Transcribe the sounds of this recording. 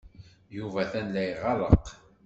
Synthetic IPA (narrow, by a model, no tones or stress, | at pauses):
juvæθænlæjʁɑɾˤə̰q